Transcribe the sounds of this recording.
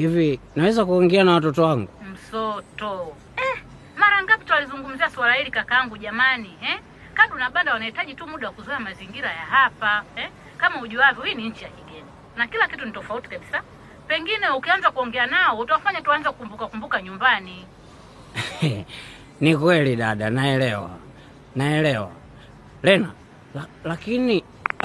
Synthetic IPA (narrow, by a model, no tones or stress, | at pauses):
hivinawɛzakuɔŋɡɛanawatɔtɔwaŋɡum̩sɔtɔ | ɛ | maɾaŋɡapitwalizuŋɡum̩ziaswalahilikakaaŋɡuʄamanihɛ | kaɗunaɓandawanahitaʄitumuɗawakuzwɛamaziŋɡiɾajaɦapahɛ | kamauʄuavjɔwiniɲ̩t͡ʃijakiɡɛna | nakilakitunitɔfauti̥kabisa | pɛŋɡinɛukianzakuɔŋɡɛanaɔutuwafaɲatuanzakukumbukakumbukaɲumbani | nikwɛliɗaɗanaɛlɛwa̰ | naɛlɛwa̰ | lɛna | lakini